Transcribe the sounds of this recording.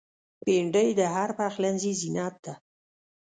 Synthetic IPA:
peɳɖəjd̪əɦaɾpaxlanzizinɑt̪̚d̪a

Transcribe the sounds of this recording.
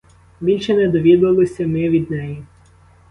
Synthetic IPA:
bʲilʲʃɛnɛd̪ɔʋʲid̪ʊʋɐlˠɔsʲɐmɪʋʲid̪̚nɛji

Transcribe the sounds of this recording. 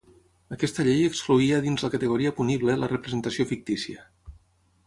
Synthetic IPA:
əkɛst̪əʎejəkskluiəðinzləkət̪əɣ̞uɾiəpuniβlələrəpɾəzənt̪əsiofik̚t̪isiə

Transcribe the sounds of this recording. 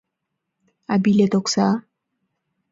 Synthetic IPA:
abilet̪oksa

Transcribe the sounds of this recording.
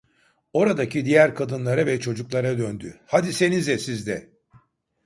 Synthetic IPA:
o̞ɾad̪acʰid̪ijæɾkʰad̪ɯnlˠaɾavɛt͡ʃʰo̞d͡ʒuklˠaɾad̪ønd̪yhad̪ise̞nizɛsizd̪ɛ

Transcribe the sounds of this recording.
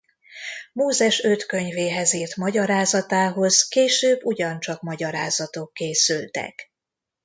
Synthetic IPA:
moːzɛʃøt̪kø̞ɲveːɦɛziːrt̪mɒɟɒɾaːzɒt̪aːɦo̞zkeːʃøːbːuɟɒnt͡ʃɒkmɒɟɒɾa̰ːzɒt̪okːeːsylt̪ɛ̰k

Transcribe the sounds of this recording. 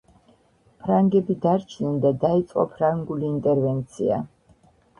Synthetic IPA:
pʰɾaŋɡɛbid̪aɾt͡ʃʰnɛnd̪ad̪ait̪sʼqʼɔ̰pʰɾaŋɡuliːnt̪ʼɛɾvɛnt̪sʰia̰

